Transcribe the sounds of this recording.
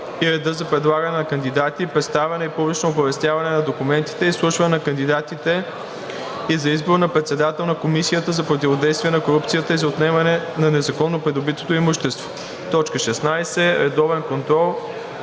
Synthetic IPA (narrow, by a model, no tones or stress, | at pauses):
iɾɛd̪əzɐpɾɛd̪lˠaɡɐnɛnɐkɐnd̪id̪at̪ipɾɛt̪st̪avɛnɛipublit͡ʃnoːbɐvɛst̪ʲjavɐnɛnɐd̪okumɛnt̪i̥t̪ɛislˠuʃvɐnɛnɐkɐnd̪id̪at̪it̪ɛ | izɐizboɾnɐpɾɛt̪sɛd̪at̪ɛlˠnɐkomisiət̪əzɐpɾot̪ʲivod̪ɛjst̪viɛnɐkoɾup̚t̪sijət̪əizɐot̪nɛmɐnɛnɐnɛzɐkɔnːopɾɛd̪obit̪o̥t̪oimuʃt̪ɛst̪vo̥ | t̪ɔt͡ʃkəʃɛsnajsɛɾɛd̪ɔvɛnkont̪ɾɔlˠ